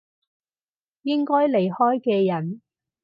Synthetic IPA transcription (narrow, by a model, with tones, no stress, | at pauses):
jɪ˥ŋkɔː˥jle˨˩jhɔː˥jkɛː˧jɐ˨˩n